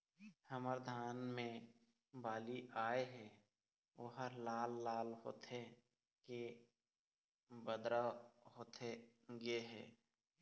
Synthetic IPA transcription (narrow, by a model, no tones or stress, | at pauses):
həməɾd̪ʱaːnmẽ | baːliʔaːeɦɛː | ʋoːɦəɾlaːlːaːlho̰ːt̪ʰe | ke | bəd̪ɾaɦoːt̪ʰeɡeɦɛ̰ː